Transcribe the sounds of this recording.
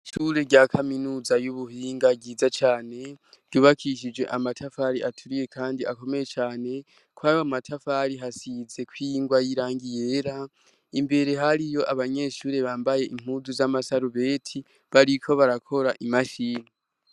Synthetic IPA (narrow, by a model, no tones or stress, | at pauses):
ʃuːɾe̞ɟakʰaminuːzajuβuhiːŋɡaɡiːzat͡ʃaːne̞̥ | ɟuβakʰiʃ̬id͡ʒwe̞̰ʔamatʰafaɾiʔatʰuɾije̞kʰaːndiako̞me̞je̞t͡ʃaːne̞ | kwajoamatʰafaɾiɦasize̞kwiŋɡwajiɾaːŋɡije̞ɾa | imbe̞ɾe̞ɦaɾijo̞ʔaβaɲe̞ːʃuːɾe̞βaːmbaje̞ʔim̥huːzuzamasaɾuβe̞ːtʰi | βaɾikʰo̞βaɾakʰo̞ɾaʔimaʃiːni